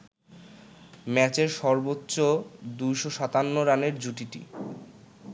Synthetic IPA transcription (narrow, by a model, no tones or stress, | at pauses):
mɛt͡ɕeɾʃɔɾbotːɕod̪ujʃoʃat̪anːoɾaneɾd͡ʑuʈiʈḭ